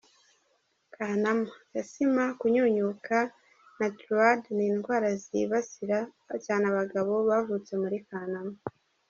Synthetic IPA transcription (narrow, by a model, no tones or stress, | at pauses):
kaːnamajasimakuɲoɲukʰa | natɾuadniːnɡwaːɾaziβasiɾa | caːnaβaɡaβo̞βavut͡se̞muɾikaːnama